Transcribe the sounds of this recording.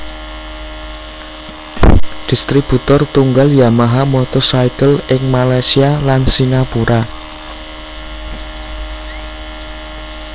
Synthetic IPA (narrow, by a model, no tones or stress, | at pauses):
d̪̥i̤st̪ɾib̥ṳt̪ɔrt̪uŋɡaljamaɦamɔt̪ɔsaijkəlɪŋmalajsialansiŋapuɾʔa